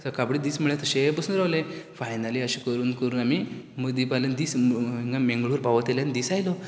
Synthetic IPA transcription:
səɾkabɽiːd̪iːsm̤əɭãt̪əɕebəsuːnɾaʋlẽfajnaliːəɕikəɾuːnkəɾuːnamiməd̪ipalənd̪iːsŋɡamẽŋɡɭuːɾpaʋət̪eljanid̪iːsajlɔ

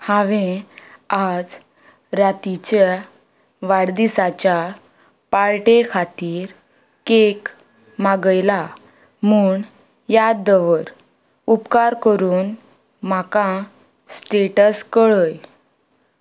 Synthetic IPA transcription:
haʋẽ | ad͡z | ɾat̪it͡ɕa | ʋaɽd̪isat͡ɕja | paɭʈekʰat̪iːɾ | kek | maɡəjla | muːɳ | jad̪əʋəɾ | upkaɾkəɾuːn | makã | sʈeʈəskəɭəj

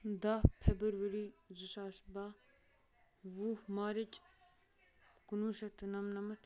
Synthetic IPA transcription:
d̪apʰebɐɾʋəɾizusaːsba | ʋuhmaːɾit͡ʃ | kunuːʃɐt̪ɐnɐmnɐmɐt̪

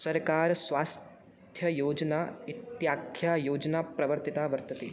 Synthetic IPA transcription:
sɐɾkaːɾsʋaːst̪ | t̪ʰjɐjoːd͡ʒnaːit̪jaːkʰjaːjoːd͡ʒnaːpɾɐʋəɾt̪it̪aːʋɐɾt̪ɐt̪eː

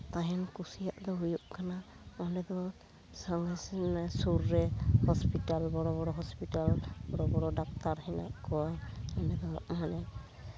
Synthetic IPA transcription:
t̪aɦɛnkusijaʔd̪ɔɦujuʔkʰana | mɔnɛd̪ɔ | saŋasɛnsuɾːɛhɔspitalbɔɾɔβɔɾɔɦɔspitalbɔɾɔbɔɾɔdak̚t̪aɾɦɛna̰ʔkɔwamɔnɛd̪ɔ̰ʔmanɛ

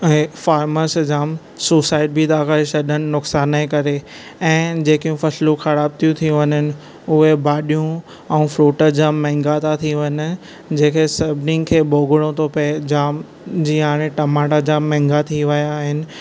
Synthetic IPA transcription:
ẽfaːɾməsd͡ʑaːm | suːsaːɪʈ̚bʱit̪aːkaːisɐɗənɪ̆nʊksaːnẽkɐɾe | ɛ̃ːd͡ʑeːkijũfɐslũxɐɾaːb̚t̪ʰijũt̪ʰijũʋɐɲənɪ̆ | ʊɦebaːɗijũ | ɛ̃ũːfɾuːʈəɾd͡ʑaːmːɛ̃ːŋɡat̪ʰat̪ʰĩʋɐn | d͡ʑẽːkʰesɐbʱnɪ̃ŋɡkʰeːɓoːɡɪɽ̃õt̪ʰopɐd͡ʑaːm | d͡ʑiːaːɽ̃eʈɐmaːʈad͡ʑaːmːɛ̃ːŋɡat̪ʰiʋɐjaːɦɪnɪ̆

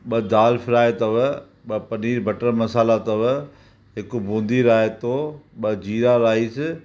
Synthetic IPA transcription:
ɓɐd̪aːlfʰɪɾaːet̪ɐʋ | ɓɐpɐniːɾbʱɐʈəɾmɐsaːlat̪ɐʋ | ɦɪkbũːnd̪iːɾaːet̪oːɓɐd͡ʑiːɾaɾaːɦiːsɪ

